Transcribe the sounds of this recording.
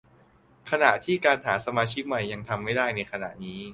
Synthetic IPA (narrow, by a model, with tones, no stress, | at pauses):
kʰa˧na˨˩ʔt̪ʰiː˥˩kaː˧nt̪ʰaː˩˦nsa˧maː˧t͡ɕʰi˦˥k̚ma˨˩jːa˧ŋt̪ʰa˧mːa˥˩jdaː˥˩jna˧jkʰa˧na̰˨˩ʔniː˦˥